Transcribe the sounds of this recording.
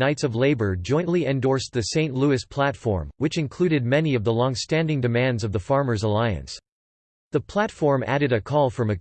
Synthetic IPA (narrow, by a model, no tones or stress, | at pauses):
aɪtsʌvleɪbə˞d͡ʒɔ̃ɪ̃nʔliɨ̃ndɔɹsðɨsẽɪ̃nʔluɨspʰl̥ætfɔ̰ɹmwɨt͡ʃɨ̃nkʰl̥ʉɾɨd̚mɛniʌvðəlɔ̃ŋstæ̃ndɪ̃ŋdɨmæ̃ndzʌvðəfɑɹmə˞zəlaɪɨ̰̃ns | ðəpʰl̥ætfɔɹmæ̰ɾɨɾɨkʰɔlˠfɹʌ̃mɨ